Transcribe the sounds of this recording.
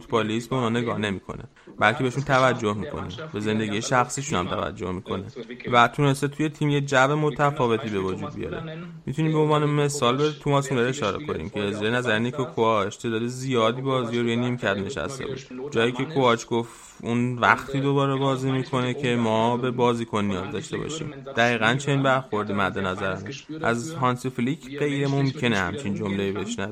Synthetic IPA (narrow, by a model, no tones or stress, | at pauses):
fut̪ʰbɑlisbe̞unhɒːne̞ɡɒːhne̞miːkʰo̞̰nḛ | bælkʲʰeeeʃunt̪ʰævæd͡ʒːohmiːkʰo̞̰nḭmbe̞ze̞nd̪e̞ɟiːjeʃæxsiːʃunæ̰mt̪ʰæ̰væ̰d͡ʒːo̞̰hmikʰo̞nevæt̪ʰune̞st̪e̞t̪ʰuje̞t̪ʰiːmjed͡ʒævemot̪ʰæfɒːve̞t̪ʰiːbe̞vod͡ʒuːd̪̚bḭjɒ̰ɾe̞̰mit̪ʰuniːmbeonvɒːneme̞sɒːlbet̪ʰumɒsund̪æɾeʃɒːɾḛkʰo̞̰nḭmcʰeziɾenæzæɾenikʰokʰoɒt͡ʃʰcʰed̪ɒːd̪izijɒːd̪iːbɒːzijoɾuːjenimcʰæd̪ne̞ʃæ̰st̪e̞̰bɒ̰ʃe̥d͡ʒɒːjiːcʰe̞kʰoɒt͡ʃʰɡ̥oft̪ | unvæ̰xt̪ʰiːd̪o̞bɒːɾebɒːziːmiːkʰo̞ne̞cʰe̞mɒːbe̞bɒːziːkʰo̞nːijɒ̰ːzd̪ɒʃt̪e̞̰bɒ̰ʃḭːmd̪̥æɣiːɣænt͡ʃʰe̞ninbæɾxo̞ɾd̪imæd̪ːe̞næzæɾæmeʃʔæzɦɒnsiflicʰɢe̞jɾemo̞mcʰe̞nehæ̰mt͡ʃʰind͡ʒo̞mlejiːbeʃnæi